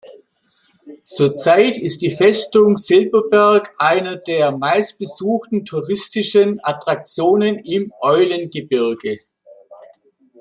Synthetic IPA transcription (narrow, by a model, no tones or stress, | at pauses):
t͡suːɐt͡saɪtʰɪstd̥iːfɛstʊŋz̥ɪlbɐbɛɐkʔaɪnɐdeːɐmaɪst̚b̥əzuːxtn̩tʰuʁɪstɪʃənatʁ̥ak̚t͡sjoːnənɪmʔɔʏlənɡəbɪʁɡə